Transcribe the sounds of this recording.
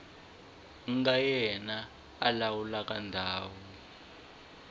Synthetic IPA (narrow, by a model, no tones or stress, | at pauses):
ŋɡajɛnaː | lawulak̬ʼandʱaːwɔ